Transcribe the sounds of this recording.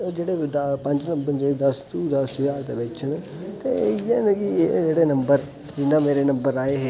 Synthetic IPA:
d͡ʒeːɽeːd̪pə̃ɲd͡ʒnə̃mbəɾd͡ʒed̪əst̪uːd̪əsjaːɾt̪eːbeːt͡ʃʰəɳ | t̪ḛːjeːnẽkid͡ʒeːɽeːnəmbəɾ | d͡ʒɪnːãːmeːɾeːnəmbəɾaːeːɦeː

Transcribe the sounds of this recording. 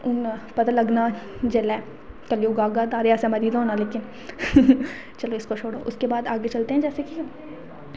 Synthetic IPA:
ʊnpɐt̪alɐɡna | d͡ʒɐlɛ | kɐljoːɡaːɡaːd̪aːɾejaːsemɐɾiːd̪ɦõːnaleːkɪn | t͡ʃɐloɪskot͡ʃʰoːɽo̰ʔʊskebaːd̪aːɡet͡ʃɐlt̪eɦɛ̃d͡ʒɛːseki

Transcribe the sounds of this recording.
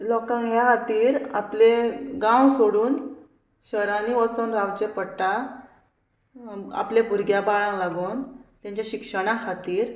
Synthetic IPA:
lɔkãŋɡjakat̪iːɾapleɡãwsoɽuːn | ɕəɾãniʋət͡sonɾawt͡ɕepəɽʈ̪a | a̰plebʱuɾɡjabaɭãlaɡont̪jãɲt͡ɕjaɕikʂəɽ̃akʰat̪iːɾ

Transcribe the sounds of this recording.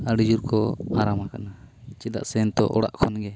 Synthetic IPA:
aɽid͡ʒuɾkɔaɾamakanat͡ʃid̪a̰ʔsɛnt̪ɔ̰ʔɔ̰ɽa̰ʔkʰɔnɡɛ

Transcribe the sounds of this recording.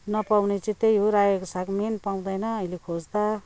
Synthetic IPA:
nʌpawnet͡sĩt̪ejɦoɾajekosakmenpaw̃d̪ʌjnʌːjlekʰod͡zd̪a

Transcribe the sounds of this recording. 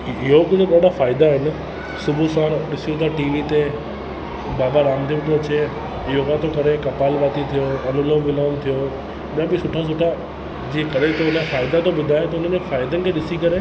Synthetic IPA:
ɪɦokʊd͡ʑʱʊɗaːɗafaːɪd̪aɦɪnɪ̆ | sʊbʱusãːñɗɪsiũt̪ʰaʈiːʋit̪e | baːbaɾaːmt̪ʰibt̪ʰoɐt͡ɕe | ɪɦokãt̪okɐɾekɐpaːlʋaːt̪it̪ʰijoɐnʊləʋʋɪlaːnt̪ʰijo | ɪjãbɪsʊʈʰas̬ʊʈʰa | d͡ʑiːekɐɗet̪oʊnə̃faːɪd̪at̪ʰoɓʊd̪ʱaːet̪ɐʊn̤ənefaːɪd̪ənɪ̆kʰeːɗɪsikɐɾe

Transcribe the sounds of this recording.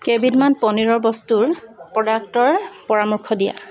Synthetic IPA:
kebidmanpɔniɹɔɹbɔstuɹpɔdak̚tɔɹpɔɹamɔɹkʰɔdija̰

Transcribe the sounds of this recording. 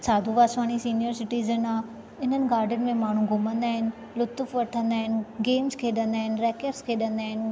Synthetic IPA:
saːd̪ʱuʋaːswaːñisiːnijəɾsɪʈiːzənaː | ɪn̤ənɪ̆ɡaːɾɖənɪ̆mẽmaːɳ̤ũɡʊmə̃nd̪aːɦɪnɪ̆ | lʊt̪ʊfʋɐʈʰə̃nd̪aːɦɪnɪ̆ɡeːmskʰeːɗɐ̃nd̪aːɦɪnɪ̆ɾɛːkəɖskʰeːɗɐ̃nd̪aːɦɪnɪ̆

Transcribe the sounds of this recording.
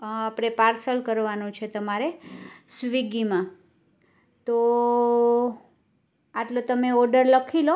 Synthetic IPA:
apɽ̃epaɾsəlkəɾʋanũt͡ʃʰet̪əmaɾesʋiɡimã | t̪o | aʈlot̪əmeɔɖəɾləkʰilo

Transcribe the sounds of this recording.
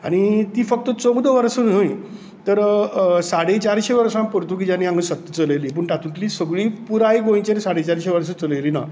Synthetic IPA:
a̰ɽ̃it̪iːfək̚t̪ət͡soɡd̪əʋəɾsən̤əj | t̪əɾsaɽet͡ɕaɾɕeʋəɾʂãmpəɾt̪uk̬id͡ʑaniãŋɡsət̪ːət͡səleliːp̬əːɳʈ̪at̪unt̪liːsəɡɭiːpuɾajɡõj̃t͡ɕenisaɽet͡ɕaɾɕeʋəɾsət͡səleliːna̰

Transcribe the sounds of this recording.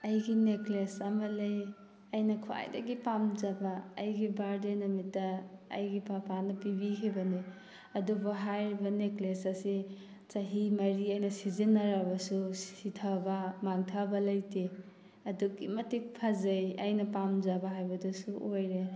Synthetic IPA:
ɐjɡineklesamɐlej | ɐjnɐkʰua̰jdɐ̰ɡipamzabaːjɡibaɾdenɐmitːa̰ːjɡipapʰanɐpibikʰajbɐni | ɐdubaɦajɾbɐneklesɐsi | t͡ʃɐɦimɐɾiɐjnɐsizinːaɾabɐsusitʰabamaŋtʰabɐlɐjti | ɐduɡimɐtik̚pʰazɐjɐjnɐpamzabaɦajbɐdusuʔojɾe

